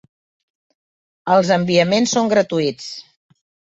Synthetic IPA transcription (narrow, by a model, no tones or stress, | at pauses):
əlˠzəmbiəmensoŋɡɾət̪uit͡s